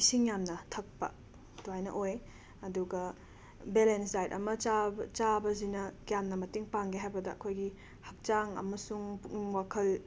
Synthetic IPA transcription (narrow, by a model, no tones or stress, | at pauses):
isiŋjamnɐtʰɐk̚pɐ̰ | tuajnɐ̰ʔoj | ɐduɡɐ | belensdajdɐ̰mɐt͡ʃat͡ʃabɐzinɐɡjamnɐmɐtiŋpaŋɡeɦajbɐdɐːkʰojɡi | hɐk̚t͡ʃaŋɐ̰mɐsuŋŋwakʰɐl